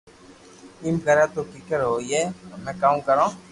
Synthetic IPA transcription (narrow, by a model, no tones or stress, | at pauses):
ɪmɡəɾãːt̪oːkikəɾɦoːieːmɛ̃ːkaːũkəɾãː